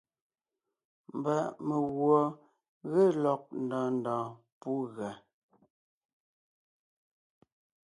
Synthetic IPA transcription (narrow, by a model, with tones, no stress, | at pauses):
m˨ba˨ʔme˨ɣwɔ˨ | ɣe˦˨lɔ˨k̚n̩˨dɔ̃ː˨n˨dɔ̃ː˨ | pu˦ɣa˨